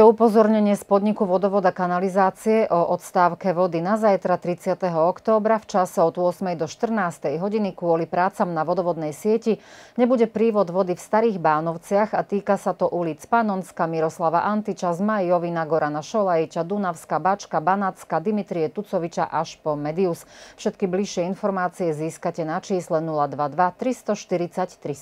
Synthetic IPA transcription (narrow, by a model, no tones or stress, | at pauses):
ɛupɔzɔɾɲɛɲɪɛspɔd̪ɲikuʋɔd̪ɔʋɔd̪akanalizaːt͡siɛʔɔʔɔt̪st̪aːʊkɛʋɔd̪inazajt̪ɾat̪ɾit͡sɪat̪ɛɦɔɔkt̪ɔːbɾaft͡ʃasɛɔd̪uʊɔsmɛjd̪ɔʃt̪r̩naːst̪ɛjɦɔɟinikʋʊɔlipɾaːt͡samnaʋɔd̪ɔʋɔd̪nɛjsɪɛciɲɛbuɟɛpɾiːʋɔd̪ʋɔd̪ifst̪aɾiːɣbaːnɔʊt͡sɪaɣat̪iːkasat̪ɔʔulit͡spanɔnskamiɾɔslaʋaʔant̪it͡ʃazmajːɔʋinaɡɔɾanaʃɔlajit͡ʃad̪unaʊskabat͡ʃkabanat͡skad̪imit̪ɾiɛt̪ut͡sɔʋit͡ʃa̰ʔaʃpɔmɛd̪iusfʃɛt̪kibliʃɪɛinfɔɾmaːt͡siɛziːskacɛnat͡ʃiːslɛnulad̪ʋad̪ʋat̪ɾist̪ɔʃt̪iɾit͡sact̪ɾi